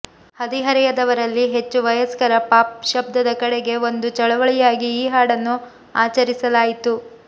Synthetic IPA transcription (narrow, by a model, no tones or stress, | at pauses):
hɐd̪iɦɐɾɛjɐd̪ɐʋɐɾɐlːiɦe̞t͡ʃːuʋɐjɐskɐɾɐpaːp̚ʃɐb̚d̪ɐd̪ɐkɐɽeɡe̞o̞nd̪ut͡ʃɐɭɐʋɐɭijaːɡiːɦaːɽɐnːu | aːt͡ʃɐɾisɐlaːjit̪u